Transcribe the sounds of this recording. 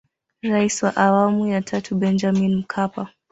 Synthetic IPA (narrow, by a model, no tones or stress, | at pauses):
ɾaisiwaʔawamujatʰatʰubɛnd͡ʒaminm̩kʰapa